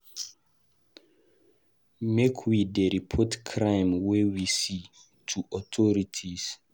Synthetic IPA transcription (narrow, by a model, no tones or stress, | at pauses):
mekʰwideɹipʰɔtkʰɹãj̃mwɛwisi | tʰuʔɔtʰɔɹitʰis